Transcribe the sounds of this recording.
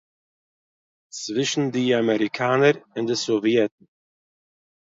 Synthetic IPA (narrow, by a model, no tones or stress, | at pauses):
t͡svɪʃn̩diamɛɾikʰaːnəɾɪndəsovjɛtn̩